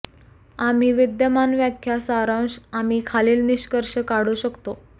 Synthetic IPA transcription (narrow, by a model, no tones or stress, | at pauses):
am̤iːʋid̪jəmanʋjakʰjasaɾəwɕam̤iːkʰaliːlniɕkəɾʂəkaɽ̤uːɕəkt̪o